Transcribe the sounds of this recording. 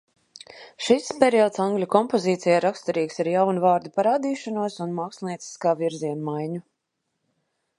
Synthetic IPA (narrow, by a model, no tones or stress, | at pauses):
ʃispʲɛɾiɔt̪saŋɡlʲukɔmpɔziːt̪sijaɾakst̪aɾiːksiɾjawnuvaːɾd̪ipaɾaːd̪iːʃanuɔsunmaːkslʲˠniɛsi̥skaːviɾziɛnmajɲu